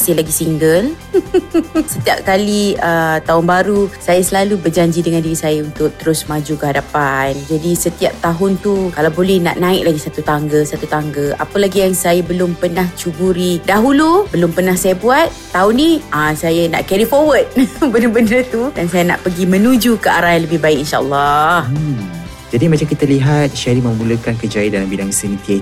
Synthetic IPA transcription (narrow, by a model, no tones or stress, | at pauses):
sɪhlaɡisiŋɡəl | sət̪iap̚kaliət̪aɦʊnbaɾusajasəlalubərd͡ʒaɲd͡ʒidəŋandiɾisajaunt̪ʊk̚t̪əɾʊsmãd͡ʒukəɦadapand͡ʒadisət̪iap̚t̪aɦʊnt̪ukalawbolɛhna̰ʔnãɪk̚laɡisat̪ut̪aŋɡəsat̪ut̪aŋɡəa̰pəlaɡijaŋsajabəlʊmpənaht͡ʃubuɾidaɦulubəlʊmpənahsajabuat̪̚ːauniasajana̰ʔkɛɾifɔwəd̚bənəbəndət̪udansajana̰ʔpəɡimə̃nũd͡ʒukəa̰ɾahjãləbɪhbaɪk̚inʃa̰ʔə̰lˠːɔ | d͡ʒadimat͡ʃamkit̪aliɦat̪̚ʃaɾiməmuləkankəd͡ʒaidalambidaŋsənik̪a